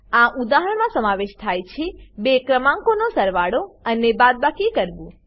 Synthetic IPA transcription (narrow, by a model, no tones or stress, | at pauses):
ãʔud̪aɦəɳmãsəmaʋeʃt̪ʰajt͡ʃʰebekɾəmãŋkonosəɾʋaɽoənebad̪̚bakikəɾʋũ